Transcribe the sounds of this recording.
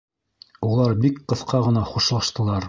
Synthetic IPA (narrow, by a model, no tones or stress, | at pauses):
ulˠɑɾbikqɤ̆θqɑʁɤ̆nɑχuʃlˠɑʃt̪ɤ̆lˠɑɾ